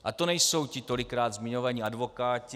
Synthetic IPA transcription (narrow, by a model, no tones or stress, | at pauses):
ʔat̪o̞nɛjso̞wcɪt̪o̞lɪkɾaːd̪zmɪɲo̞vaɲiadvo̞kaːcɪ